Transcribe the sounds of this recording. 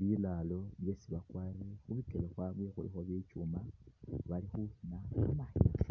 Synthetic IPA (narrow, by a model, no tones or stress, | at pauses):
βilaːlo̞βje̞siβakwarixuβikeloxwaβixulixoβit͡ʃumaβalixuhinaumaɲ